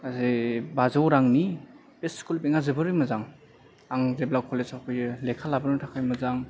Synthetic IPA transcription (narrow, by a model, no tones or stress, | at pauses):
azebazawɾaŋni | pesskulbeŋazɯbɯɾujmazaŋ | aŋzeblakʰɔlezakʰojlekʰalabɯnutʰakʰajmɐzaŋ